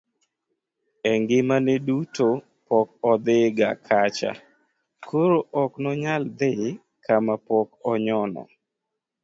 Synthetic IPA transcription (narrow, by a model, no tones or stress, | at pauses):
ɛŋɡɪmanɛduto | pɔkɔd̪ɪɡa̰kʰat͡ʃa̰ | kʰoɾoʔɔknɔɲald̪ɪ | kʰamapɔkɔɲɔnɔ̰